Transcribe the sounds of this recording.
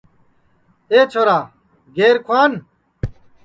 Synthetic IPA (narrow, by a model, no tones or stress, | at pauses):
eːt͡ɕʰoːɾaː | ɡeːɾkʰwaːn